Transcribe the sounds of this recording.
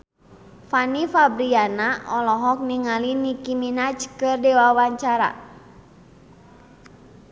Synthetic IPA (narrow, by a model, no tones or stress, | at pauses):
fanifabɾianaɔlɔɦɔk̚niŋalinikiminat͡ʃkɨrdɛwawaɲt͡ʃaɾa̰